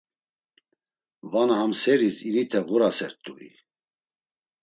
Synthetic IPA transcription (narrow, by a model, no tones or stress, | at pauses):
vanaɦamsɛɾisiɾit̪ʰɛʁuɾasɛɾt̪ʼuḭ